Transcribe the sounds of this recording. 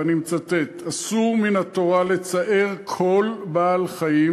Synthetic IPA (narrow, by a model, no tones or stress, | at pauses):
nimt͡sat̪et̪asuʁminhat̪o̞ʁale̞t͡saʔeʁkʰo̞lbaːlχaji